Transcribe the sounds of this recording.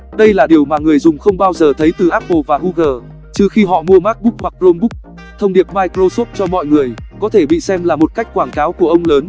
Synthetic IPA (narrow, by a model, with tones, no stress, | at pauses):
ɗə˧jlaː˨˩ɗi˨˩əwmaː˨˩ŋɨ˨˩əjzʊ˨˩ŋ͡mxə˧wŋ͡mɓaː˧wzəː˨˩t̪ʰə˨˦jt̪ɨ˨˩ʔa˦˥p̚po˧˩vaː˨˩hu˧ɣəː˨˩ | t͡ɕɨ˧xi˧ɦɔ̰˧˨mu˧əmaː˦˥k̚ɓʊ˦˥k̚hwa˨˩k̚zo˧mɓʊ˦˥k̚ | t̪ʰə˧wŋ͡mɗi˨˩əp̚maː˧jkzo˧so˦˥p̚t͡ɕɔ˧mɔ̰˧˨jŋɨ˨˩əjkɔ˨˦t̪ʰe˧˩ɓḭ˧˨sɛ˧mlaː˨˩mo˨˩t̚ka˦˥jk̟̚kwaː˧˩ŋkaː˨˦wku˧˩əʔə˧wŋ͡mləː˨˦n